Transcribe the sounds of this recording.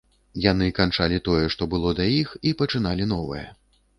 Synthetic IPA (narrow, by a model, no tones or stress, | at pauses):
jan̪ɨkant͡ʂalʲit̪ɔjɛʂt̪ɔbɨlˠɔd̪ajixipɐt͡ʂɨn̪alʲinɔvɐ̰jɛ̰